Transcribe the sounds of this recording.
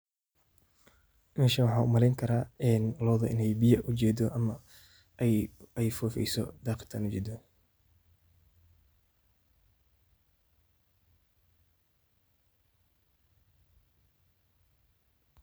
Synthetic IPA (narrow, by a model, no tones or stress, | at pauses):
mɛːʃɐwɑħɑːʊmɐlɛjŋkʰɐɾaːɛnlɔːðɔ̰ʔɪnɛjbɪjɐʔʊt͡ʃɛːd̪ɔʔɐmɐ | ɛjfɔːfɛ̰jsɔ̰d̪ɑːqt̪ʰaːnʊt͡ʃɛːd̪ɔ